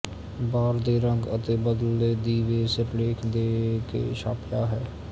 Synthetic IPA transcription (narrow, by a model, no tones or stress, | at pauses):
baːɾd̪eɾə̃ŋɡət̪ebəd̪led̪iːʋesepleːkʰd̪ekḛʃaːpjaɦɛː